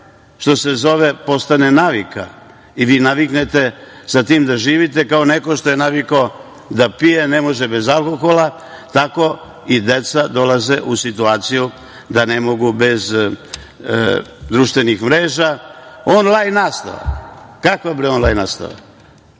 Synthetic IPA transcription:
ʃt̪o̞se̞zo̞ʋe̞po̞st̪anenaʋika | iʋiːnaʋiknet̪e̞sat̪iːmd̪aʒiːʋit̪e̞kao̞ne̞ko̞ʃt̪o̞je̞naʋikao | d̪apije̞nemo̞ʒebe̞zalˠko̞xo̞lˠa | t̪ako̞ | id̪e̞t̪sad̪o̞laze̞ʔusit̪uaːt̪siju | d̪ane̞mo̞ɡube̞z | d̪ɾuʃt̪ʋenixmɾe̞ːʒaonlˠajnnaːst̪a̰ʋa̰kakʋabɾionlˠajnaːst̪a̰ʋa̰

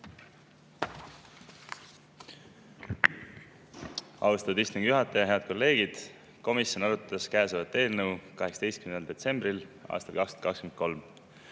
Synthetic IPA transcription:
ɑwst̪ɑud̪ist̪uŋɡ̥juɦɑt̪ːˑɑjɑɦe̞ɑd̪̚ko̞lːe̞ːɡ̥id̪̥ | ko̞misjo̞nɑɾut̪ːɑskæːsevɑt̪ːˑe̞ːlnəukɑɦe̞ksɑ̥d̪ejst̪kymneld̪e̞t̪se̞mbrilɑ̰ːst̪ɑlkɑkst̪o̥t̪kɑkskymnko̞lm

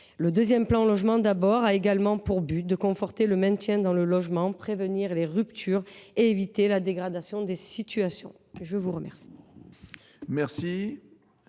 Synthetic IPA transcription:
ləd̪øzjɛmplɑ̃lɔʒmɑ̃d̪abɔʁaeɡalmɑ̃puʁbyt̪̚d̪əkɔ̃fɔʁt̪eləmɛ̃t̪jɛ̃d̪ɑ̃ləlɔʒmɑ̃pχevəniʁleʁypt̪ʰyʁeevit̪elad̪eɡʁad̪asjɔ̃d̪esit̪yasjɔ̰̃ | ʒəvuʁəmɛʁsi̥ | mɛʁsi

